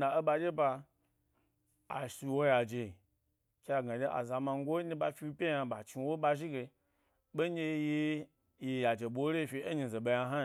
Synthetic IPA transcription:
na˨e˦ɓa˧d͡ʒʲe˦ba˧ | a̰˨ʃi˧wo˦ja˨d͡ʒe˨ | kʲa˧˨ɡa˨d͡ʒe˦ʔa̰˨za˨ma˧ŋ̩˦ɡʷo˦ni˧˦ba˧fi˧˦pʲe˦ja˧ɓa˨t͡ʃi˧wo˦ɓa˧ʒi˦ɡe˧ | ɓe˦d͡ʒʲe˧je˧ | je˧˨ja˨d͡ʒe˨ɓo˨˦ɾe˦˧fʲi˧e˦ɲi˧ze˨ɓa˧ja˧ɦa˦˨

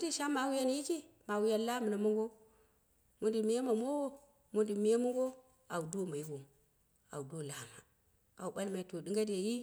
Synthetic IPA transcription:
u˦di˦ʃa˦ma˨wu˦ja˦nji˦ki˦ | ma˨wu˦ja˦nla˦mu˨na˨mu˦ŋɡo˦ | mu˦ndi˨mi˦je˦ma˨mo˦wo˦ | mu˦ndi˨mi˦je˦mu˦ŋɡo˦ | a˨wu˨do˦ma˨ji˦ɡo˨ | a̰˨u˨do˦˨la˨ma̰˨ | a̰˨u˨ɓa˦lma˨i˨to˨di˦ŋɡa˦de˨ji˦

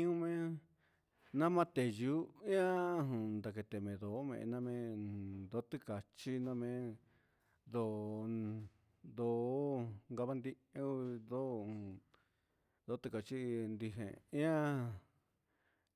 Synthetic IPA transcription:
ũ˦mẽ˦ | nã˦mã˦t̪e˨ju˦ĩ˦ã˦ɦũ˨nd̪a˧k̬e˧t̪e˨mẽ˨ðo˨˦mḛ̃˧ʔnã˧mẽ˧d̪o˦t̪ɨ˦˧ka˨t͡ʃi˦nã˧mẽ˧ | d̪o˨ | d̪o˧˦ŋɡa˧βa˧˦nd̪i˦˧ | ẽ˧˦u˧d̪õ˦˨ | d̪o˧˦t̪ɨ˧ka˨t͡ʃi˦nd̪i˧ɦḛ̃˨ĩ˦ã˦

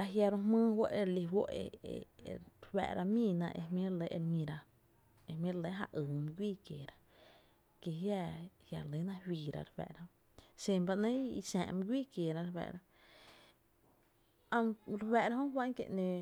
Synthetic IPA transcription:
a˧ɦja˧ɾo˧mɨ̃ː˦wo˦ʔe˧ɾli˧ɦwo˦ʔḛ˧ḛ˨ɾwɛ̰˧ʔɾʔa˧mĩː˦˧˨nã̰˧ʔḛ˧mjĩ˦ɾle˧˦ʔe˧ɾɲĩ˧ɾa˧ | e˧m̃˦ɾle˧˦ɦa̰˧ʔɨː˨m˧ɡʷiː˦˨kjeː˨ɾa˧ | ke˧ɦja˧hja˧˨˧le˨˦nã˧hwiː˧˨ɾa̰˧ɾwɛ̰˨ʔɾa˧hõ˦ | se˧˨mba˧nẽ˦i˧sã̰ː˧˨ʔm˧ɡʷiː˦˨kje˨ɾã˧ɾwɛ̰˧˨ʔɾa˧ | a˧ŋɾewɛ˨ɾa˧˦ɦõ˦wa˦ŋkḛ˧˨ʔnẽ˧˨

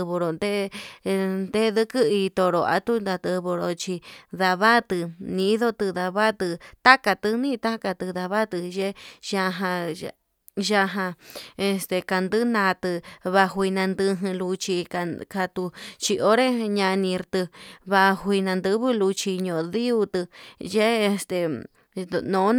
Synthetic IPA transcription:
βo˧ɾo˨nd̪e˦ | nd̪e˦ðɨ˦kɨ˦i˧t̪o˧ɾo˨a̰˧t̪u˦nd̪a˧t̪ɨ˧βo˧ɾo˧t͡ʃi˧ða˧βa˦t̪ɨ˧nĩ˧˦ðo˦t̪ɨ˧ða˧βa˦t̪ɨ˧t̪a˦ka˧t̪ɨ˧nĩ˦˧t̪a˦ka˧t̪ɨ˧ða˧βa˦t̪ɨ˧ʒe˦ʒa˧ɦã˧ | ʒa˧ɦã˧e˧st̪e˧ka˧nd̪ɨ˦nã˧t̪ɨ˧βa˧ɦʷi˧nã˧nd̪ɨ˧ɦɨ̃˧lu˧t͡ʃi˧ka˧ka˧t̪u˧t͡ʃi˧ʔo˦ɾe˦ɲã˧nĩ˧ɾt̪ɨ˧βa˧hʷi˧nã˧nd̪ɨ˧βɨ˦lu˧t͡ʃi˧ɲõ˨˧ði˦u˧t̪ɨ˧ʒe˦e˧st̪e˧ | nõ˨˦

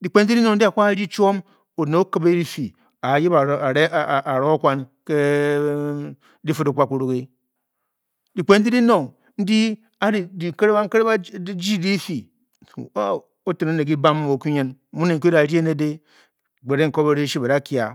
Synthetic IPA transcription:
di˨k͡pe˨n̩˦di˦di˦no˨n̩˦di˦a˨kʷa˦ɾi˦t͡ʃo˦m | o˨ne˨˦o˦ka˨be˦ɾi˦fi˨ | a˨ji˦ba˨a˨ɾe˦˨ʔa˨ɾo˦kʷa˦nke˦ | di˦fɨ˦do˨kʷa˦ku˨ɾu˨ke˦ | di˨k͡pe˨˦n̩˦di˦di˦no˨ŋ | n̩˦di˦ | a˦ɾi˨di˨ke˦ɾe˦a˦ke˦ɾba˦d͡ʒi˦˨di˦fi˨˦ | o˦te˨ne˦ne˨ɡi˦ba˦m˦o˨ku˦ɲe˦n˦mu˦ne˨ŋ̩˦ka˨ɾi˦e˦ne˦de˦˨ | ɡ͡be˨ɾe˦ŋ̩˨ko˦be˨ɾe˦ʃi˦ba˨ɾa˦ki˨a̰˨

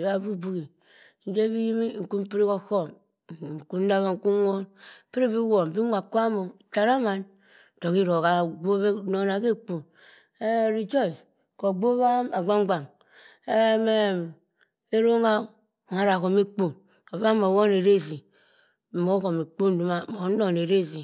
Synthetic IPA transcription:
ba˦bu˦bu˦ki˨ | n̩˨˦d͡ʒe˦βi˦ji˦mi˦ŋ̩˨ku˦m˦pi˦ɾi˦ko˦ko˦˨m˨ | ŋ̩˨ku˦n̩˦da˦βa˦ŋ̩˨ku˦wo˦npi˦ɾi˦˨bi˦wo˨m˨bi˦a˨ko˦a˦mo˨ta˨ɾa˦ma˨n˨ | to˨ki˦ɾo˨ka˨ɡ͡bo˦βe˦no˨˦na˨ke˦k͡po˨ | e˦˨ɾi˨d͡ʒɔ˦i˨s | ko˨ɡ͡bo˦βa˦ma˨ɡ͡ba˦ŋ˦ɡ͡ba˨ŋ | e˦me˦˨m | e˦ɾo˦ŋa˦˨ | ŋa˨˦ɾa˨ko˨me˦k͡pu˦ | o˨βa˦mo˨wo˦ne˨ɾe˦˨zi˨ | mo˨˦ko˨me˨k͡pu˦n̩˦du˦ma˦mo˨˦no˨ne˨ɾe˦zi˨

